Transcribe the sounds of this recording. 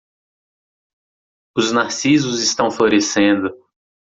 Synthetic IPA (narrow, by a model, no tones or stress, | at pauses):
ʊznaɾsizʊzɪst̪ɐ̃w̃floɾesẽnd̪ʊ